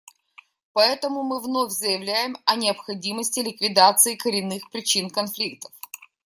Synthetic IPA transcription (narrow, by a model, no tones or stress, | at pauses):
pɐɛt̪əmʊmɨvnofʲzəjɪvlʲæjɪmɐnʲɪɐpxɐdʲiməsʲtʲɪlʲɪkvʲɪd̪at̪sɨɪkəɾʲɪnːɨxpɾʲɪt͡ɕinkɐnflʲik̚t̪ə̥f